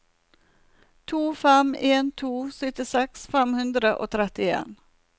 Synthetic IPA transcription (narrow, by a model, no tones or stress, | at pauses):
t̪ʰuːfɛmeːnt̪ʰuːsʏt̪ɪsɛksfɛmhʉnd̪ɾəʔo̰ːt̪ʰɾɛt̪ɪḛːn